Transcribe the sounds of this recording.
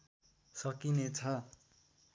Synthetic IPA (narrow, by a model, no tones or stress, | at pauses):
sʌkinet͡sʰʌ